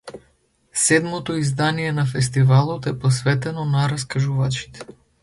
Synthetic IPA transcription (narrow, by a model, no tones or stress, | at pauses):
sɛd̪mɔt̪ɔizd̪anijɛnafɛst̪ivalˠɔt̪ɛpɔsvɛt̪ɛnɔnaɾaskaʒuvat͡ʃi̥t̪ɛ̥